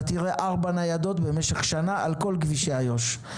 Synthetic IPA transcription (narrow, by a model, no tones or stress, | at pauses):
t̪iʁeʔaʁbanajado̞t̪be̞meʃeχʃanaʔalko̞lɡviʃeajo̞ʃ